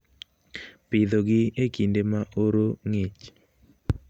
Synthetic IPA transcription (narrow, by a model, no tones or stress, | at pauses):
pɪd̪oɡɪekindemaʔoɾoŋet͡ʃ